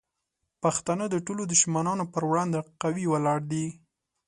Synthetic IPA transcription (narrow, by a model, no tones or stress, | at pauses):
paxt̪anəd̪əʈolod̪ʊʃmanɑnopəɾwɽɑnd̪eqawiwalɑɽd̪i